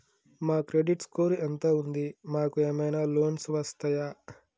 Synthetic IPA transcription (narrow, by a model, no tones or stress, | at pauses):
maːkɾeɖiʈskoːɾiʔɐnt̪aːund̪imaːkueːmɐjnaːloːnsʋɐst̪ɐjaː